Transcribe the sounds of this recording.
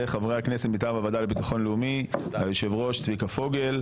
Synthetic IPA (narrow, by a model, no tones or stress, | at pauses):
eχavʁehakneset̪mit̪avavad̪alebit̪aχo̞nleumihajoʃe̞vʁo̞ʃt͡svikafo̞ɡe̞l